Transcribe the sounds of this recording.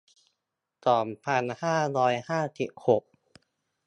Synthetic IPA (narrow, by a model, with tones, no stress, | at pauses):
t̪ɔː˨˩mpʰa˧nhaː˥˩ɾɔː˧jhaː˥˩si˨˩p̚ho˨˩k̚